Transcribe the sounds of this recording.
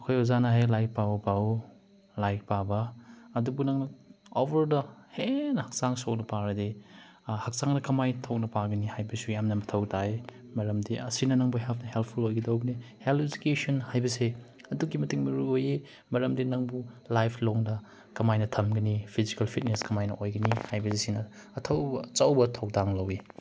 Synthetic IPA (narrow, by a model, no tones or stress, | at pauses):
ɐkʰojozanɐɦajlajk̚pabɐpa | lajk̚pabɐːdubunɐŋnɐobɐɾdɐhenɐhɐk̚saŋsok̚nɐpaɾɐde | hɐk̚saŋnɐkɐmajtʰok̚nɐpaɡɐnihajbɐsujamnɐmɐtʰɐwtʰae | mɐɾɐmdiɐsinɐnɐŋbuɦelpʰnɐɦelp̚ʰpʰulojɡɐdɐwɡɐnihelizi̥kesonhajbɐse | ɐduɡimɐtiŋmɐɾuoje | mɐɾɐmdinɐŋbulajpʰloŋdɐ | kɐmajnɐtʰɐmɡɐnipʰizikɐlpʰit̚neskɐmajnɐʔojɡɐnihajbɐsesinɐ | ɐtʰɐwbɐt͡ʃɐwbɐtʰɐwdaŋlɐwe